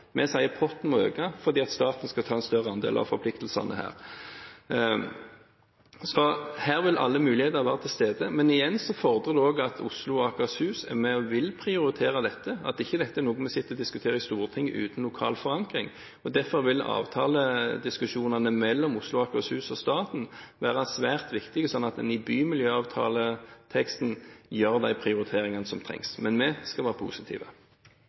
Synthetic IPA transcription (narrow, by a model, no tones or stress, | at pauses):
mʔɛsæɪəpʰɔt̪n̩mɔø̰ːɡɑfɔʁd̪iːɑt̪st̪ɑːt̪n̩skɑt̪ʰɑːɛnst̪œʁəɑnd̪ḛːlʔɑ̰ʋfɔɾpʰlɪk̚t̪əlsɑ̰nəhæ̰ːʁ | sɔhæːɾʋɪlʔɑ̰lːəmʉːlɪheːt̪əʁʋæːʁət̪ʰɪlst̪eːd̪əmɛnɪjɛnːsɔfɔʁd̪əd̪ʉoːɡɑt̪ʰʊslʊɔɑkʉɑshʉːsæ̰mɛɔʋɪlpʰʁɪʊɾɪt̪ʰeːʁəd̪ɛt̪ʰːəɑ̰t̪ɪçːəd̪ɛt̪ːəæɾnoːɡənmɛsɪt̪ːəɔd̪ɪskʉ̥t̪ʰeːɾɑɪst̪uːʁət̪ʰɪŋːəʔʉ̰ːt̪n̩lʊkʰɑ̰ːlfɔʁɑŋkʁɪŋ | ɔd̪æʁfɔʁʋɪlɑ̰ːʋt̪ʰɑːləd̪ɪskʉʂuːnɑnəmɛlːɔmʊslʊɑkːɑshʉːsɔst̪ɑːt̪n̩ʋæːʁɑsʋæːʁt̪ʋɪkt̪ɪɡəsɔnːɑt̪d̪ɛnɪbyːmɪljøːɑːʋt̪ʰɑ̰ːlət̪ʰɛkst̪njøːʁd̪æɪpʰʁɪʊɾɪt̪ʰeːɾɪŋɑnəsɔmt̪ʰʁɛ̰ŋsmɛnmɛskɑlʋæːʁəpʰṵːsɪt̪ʰḭːʋə